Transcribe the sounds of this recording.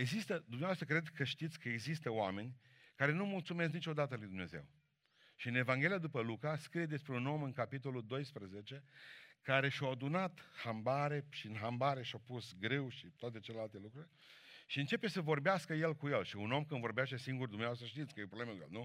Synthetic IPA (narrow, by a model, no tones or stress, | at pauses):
e̞ɡzist̪əd̪umneaoast̪ɾəkɾe̞d̪kəʃt̪it̪sʲkəeɡzist̪əoame̞nʲ | kaɾe̞numult̪sumes̬nit͡ʃo̞d̪at̪əlujd̪umne̞ze̞̰w | ʃiɨne̞vaŋɡʲe̞lijad̪upəlukaskɾije̞d̪e̞spɾeuno̞mɨŋkapit̪o̞lud̪o̞jspɾəze̞t͡ʃe̞kaɾe̞ʃawad̪unat̪hambaɾe̞ʃiɨnɦambaɾe̞ʃawpusɡɾe̞wʃit̪oat̪̬e̞t͡ʃelelalt̪e̞lukɾurʲ | ʃiɨnt͡ʃe̞pe̞səvo̞rbeaskəje̞lkuje̞lʃiuno̞mkɨnvo̞ɾbejaʃt̪esiŋɡurd̪umneoast̪ɾəʃt̪it̪sʲkəjeopɾoblemekujelnu